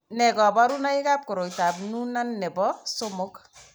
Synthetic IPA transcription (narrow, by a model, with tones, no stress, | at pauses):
nɛ˨kɔ˨bɔ˦ɾu˦na˦ɪ˦ka˦p̚ko˨ɾo˨jta˨p̚nu˦na˦nːɛ˨bɔ˦so˦mo˦k